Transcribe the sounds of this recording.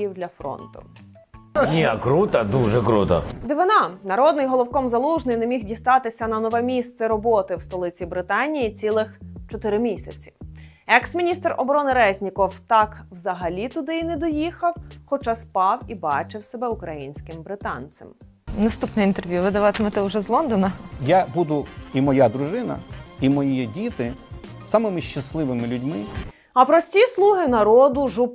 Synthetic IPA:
iwd̪lʲɐfɾɔ̰nt̪ʊ̰ | nʲiɐkɾut̪ɐd̪uʒɛkɾut̪ɐ̰d̪ɪʋɪnɑnɐɾɔd̪̚nɪjɦɔlˠɔwkɔmzɐlˠuʒnɪjnɛmʲixdʲist̪ɑt̪ɪsʲɐnɐnɔʋɛmʲist̪sɛɾɔbɔt̪ɪwst̪ɔlˠɪt͡sʲibɾɪt̪ɑnʲijit͡sʲilˠɪxt͡ʃɔt̪ɪɾɪmʲisʲɐt͡sʲi̥ | ɛksmʲinʲist̪rɔ̰bɔɾɔnɪɾɛzʲnʲikɔwt̪ɑkwzɐɦɐlʲit̪ʊd̪ɪinɛd̪ɔjixɐwxɔt͡ʃɑspɑwibɑt͡ʃɪwsɛbɛʊkɾɐjinʲsʲkɪmbɾɪt̪ɑnsɛ̰m | nɐst̪upnɛjint̪erʋʲjuʋɪd̪ɐʋɑt̪ɪmɔt̪ɛʊʒɛzlˠɔnd̪ɔnɐjabud̪ʊimɔjad̪ɾʊʒɪnɐ̰imɔjidʲit̪ɪsɑmɪmɪʃt͡ʃːɐslˠɪʋɪmɪlʲʊdʲmɪ | ɐpɾɔsʲtʲislˠuɦɪnɐɾɔd̪ʊʒup

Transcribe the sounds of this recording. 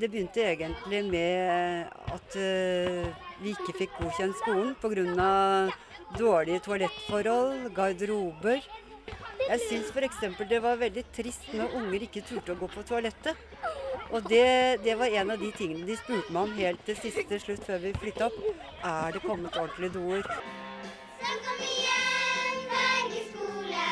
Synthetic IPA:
d̪ɛbəjʏnt̪əeːɡənt̪lɪmɛ | ɑ̰t̪ | ʋɪɪkːəfɪk̚ːɡuːçɛnt̪skuːln̩pʰɔɡɾʉnːɑʋ | d̪oːɭɪət̪ʰʊɑlɛt̪ːfɔɾhɔlɡɑɾd̪əɾuːbəɾ | jæɪsʏnsfɔɾɛksɛmpəld̪ɛʋɑɾʋɛld̪ɪt̪ʰɾɪst̪nɔɾʊŋːəɾɪkːət̪ʰɾʉːʈəɔɡoːpʰɔt̪ʰʊɑlɛt̪ːə | ʔɔd̪ɛd̪ɛʋɑɾɛnɑʋd̪ɪt̪ʰɪŋːənəd̪ɪspʉːt̪əmæɔmɦeːlt̪̚ːɪsɪst̪əʂɭʉt̪ːføːɾʋɪflʏt̪ːəɔp | ʔæɖɛkʰɔmːət̪ɔɳt̪lɪd̪uːəɾ

